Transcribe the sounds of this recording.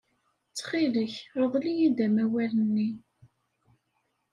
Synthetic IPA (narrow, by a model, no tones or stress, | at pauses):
t͡sːχiləçɾəʁlijid̪æmæwælənːi